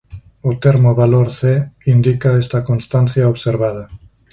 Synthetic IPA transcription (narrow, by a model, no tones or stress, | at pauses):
ot̪eɾmoβaloɾθeind̪ikaɛst̪ɐkonst̪anθjaoβseɾβað̞ɐ